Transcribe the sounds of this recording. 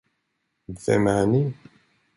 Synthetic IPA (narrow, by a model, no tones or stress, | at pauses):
d̪θæ̰məʕni